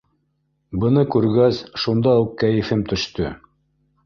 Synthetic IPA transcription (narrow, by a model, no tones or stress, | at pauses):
bɤ̆nɤkʉɾɡæsʃund̪ɑukːæjɘ̆fɘmt̪ɵ̆ʃt̪ɵ